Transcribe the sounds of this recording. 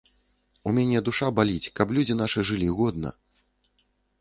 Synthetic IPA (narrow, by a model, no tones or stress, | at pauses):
umʲanʲɛd̪uʂabalʲit͡sʲkɐplʲud͡zʲinaʂɨʐɨlʲiɣɔd̪̚nɐ̰